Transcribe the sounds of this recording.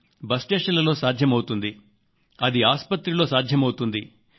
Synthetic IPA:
bɐsʈeːʂɐlɐlo̞ːsaːd̪ʱjɐmɐwut̪und̪i | ɐd̪iaːspɐt̪ɾilo̞ːsaːd̪ʱjɐmɐwut̪und̪i

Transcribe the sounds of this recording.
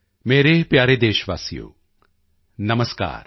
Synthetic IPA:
meːɾepjaːɾed̪eːʃʋa̰ːsijo̰ː | nɐməska̰ːɾ

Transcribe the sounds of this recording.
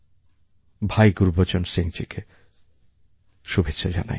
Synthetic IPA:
bʱajɡuɾbot͡ɕonseŋt͡ɕʰikʰe | ʃubʱet̪ːɕʃʰad͡ʑa̰na̰j

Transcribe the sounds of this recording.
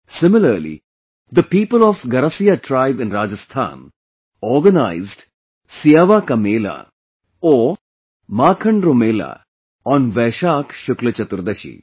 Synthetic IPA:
sɪmɪlɐɾlḭ | d̪əpiːpəlɔfɡɐɾɐsijaʈɾaɪʋɪ̃nɾaːd͡ʒɐst̪ʰa̰ːn | ɔːɾɡɐnaɪzɖ | sijaːʋaːkɐmeːla̰ | ɔː | maːkʰɐ̃ɳɖɾomeːla̰ | ɔ̃ːnʋɛːʃaːkʰʃʊklɐt͡ʃɐt̪ʊɾd̪ɐʃḭ

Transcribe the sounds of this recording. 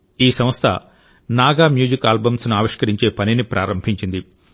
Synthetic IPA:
iːsɐm̃ɐst̪ʰɐ̰ | naːɡaːmjuːd͡ʒikaːlbɐmsnuaːʋiʂkɐɾiɲt͡ʃe̞ːpɐninipɾʔaːɾɐmbʱiɲt͡ʃind̪i

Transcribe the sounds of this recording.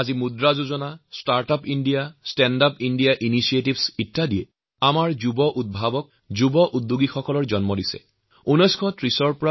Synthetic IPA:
azimudɹazozɔnastaɹtapindijastɛndapindijaʔinisiet̬ibsitːadijɛ | amaɹzubɔʔut̚bʱabɔk̚ | zubɔʔut̚ːuɡixɔkɔlɔɹzɔnmɔdisɛ̰ | unɔjskʰɔtɹisɔɹpɔɹa

